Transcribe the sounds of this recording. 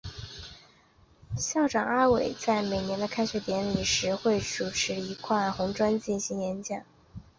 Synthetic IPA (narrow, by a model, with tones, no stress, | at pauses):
ɕjɑ˥˩ʊʈ͡ʂɑ˨˩ŋa˥we˨˩ɪt͡sa˥˩ɪme˨˩ɪnjɛ˧˥nd̪ə˧kʰa˥ɪɕɛ˧˥t̪jɛ˧˥nli˨˩ʂɻ̩˧˥xwe˥˩ɪʈ͡ʂu˨˩ʈ͡ʂʰɻ̩˧˥i˧˥kʰwa˥˩nxʊ˧˥ŋʈ͡ʂwa˥nt͡ɕi˥˩nɕi˧˥ŋjɛ˧˥nt͡ɕjɑ˨˩˦ŋ